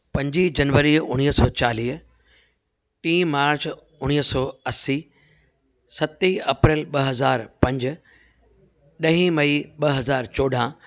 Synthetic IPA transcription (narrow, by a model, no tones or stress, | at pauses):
pɐ̃ɲd͡ʑid͡ʑɐnʋəɾiʊ̰ɽ̃iːɦsɔːt͡ɕaːliːɦ | ʈĩːmaːɾt͡ɕ | ʊɽ̃iːɦsɔːɐsiː | sɐt̪iɐpɾɪːlɓɐɦɐzaːɾpɐ̃ɲd͡ʑ | ɗɐɦĩmɐiɓɐɦɐzaːɾt͡ɕɔːɖʱã